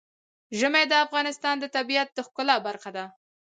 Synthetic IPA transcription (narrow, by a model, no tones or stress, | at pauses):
ʒəmed̪əafɣɑnɪst̪ɑnd̪ət̪abijat̪̚d̪əxkʊlabaɾxad̪a